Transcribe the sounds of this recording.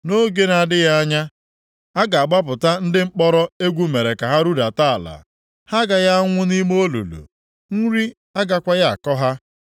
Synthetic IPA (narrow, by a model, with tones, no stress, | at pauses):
no˦ɡe˦na˨dɪ˦ja˦a˦ɲa˦ | a˦ɡa˨a˨ɡ͡ba˦p̬ʊ˨ta˦n̩˦dɪ˦ŋ͡m̩˦k͡pɔ˦ɾɔ˦e˦ɡʷu˦me˨ɾe˨ka˨ɦa˦ɾu˦da˨ta˦a˨la̰˨ | ha˦ɡa˨ja˦ŋʷʊ˦ni˦mo˦lṵ˨lṵ˨ | ŋ̩˦ɾi˦ | a˦ɡa˦kʷa˦ja˦a̰˨kɔ˦ɦa˦